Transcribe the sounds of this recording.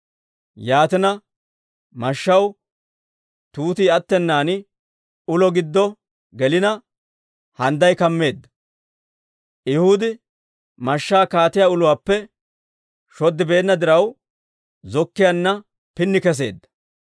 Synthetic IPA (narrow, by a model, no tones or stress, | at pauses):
jaːt̪ɪnɐ | mɐʃːɐw | t̪uːt̪iːɐt̪ːɛnːaːnɪ | ʊlɔɡɪd̪ːɔ | ɡɛlɪnɐ | hɐnd̪ɐjkɐmːe̞ːd̪ːɐ̥ | ʔhʊd̪ɪ | mɐʃːaːkaːt̪ɪjaʊlʊwaːpːɛ | ʃɔd̪ːɪbe̞ːnːɐd̪ɪɾɐw | zɔkːɪjɐnːɐ | pɪnːɪkɛs̬e̞̰ːd̪ːɐ̥